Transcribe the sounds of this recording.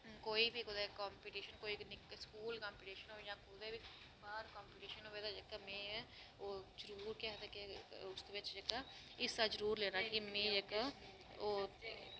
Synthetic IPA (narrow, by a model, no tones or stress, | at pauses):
koːibʱikʊd̪ekaːmpiːʈiːʃənkoːinɪkskuːlkãːmpiːʈiːʃənɦoːjãːkʊd̪ebʱi | baːɾkãːmpiʈiːʃənoːed̪ad͡ʒəkːamẽː | oːd͡ʒəɾuːɾkjaɦt̪akeʊst̪ːbɪt͡ʃd͡ʒəkːa | ɪsad͡ʒəɾuːɾleːnakimẽːd͡ʒəka | oː